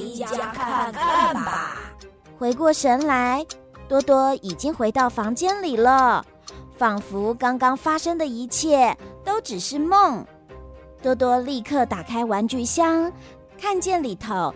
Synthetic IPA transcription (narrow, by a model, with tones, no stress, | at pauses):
xwe˧˥ɪkwɔ˥˩ʂə˧˥nla˧˥ɪ | t̪wɔ˥t̪wɔ˥i˨˩t͡ɕi˥ŋxwe˧˥ɪt̪ɑ˥˩ʊfɑ˧˥ŋt͡ɕjɛ˥nli˨˩lə˦ | fɑ˨˩ŋfu˧˥kɑ˥ŋkɑ˥ŋfa˥ʂɤ˥ŋd̪ə˨i˧˥t͡ɕʰjɛ˥˩t̪o˥ʊʈ͡ʂɻ̩˨˩ʂɻ̩˥˧mo˥˩ŋ | t̪wɔ˥t̪̬wɔ˥li˥˧kʰɤ˥˩t̪a˨˩kʰa˥ɪwa˧˥nt͡ɕy˥˩ɕjɑ˥ŋ | kʰa˥˧nt͡ɕjɛ˥˩nli˨˩t̪ʰo˧˥ʊ